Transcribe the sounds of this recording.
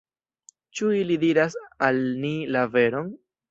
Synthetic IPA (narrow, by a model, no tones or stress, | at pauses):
t͡ʃuilidiɾasalnilave̞ɾon